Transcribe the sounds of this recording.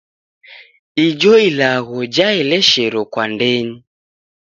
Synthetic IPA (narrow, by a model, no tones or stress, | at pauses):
id͡ʒɔilaɣɔd͡ʒaɛlɛʃɛɾɔkwandɛɲi